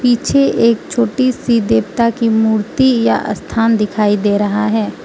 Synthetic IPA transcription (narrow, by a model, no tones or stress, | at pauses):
piːt͡ʃʰeeːk̚t͡ʃʰoːʈisid̪eːbt̪akimuːɾt̪ija̰ʔɐ̰st̪ʰaːnd̪ɪkʰaːid̪eːɾɐɦaɦɛː